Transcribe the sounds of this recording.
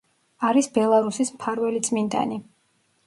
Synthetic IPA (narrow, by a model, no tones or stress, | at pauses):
aɾisbɛlˠaɾusismpʰaɾvɛlit̪sʼmind̪a̰ni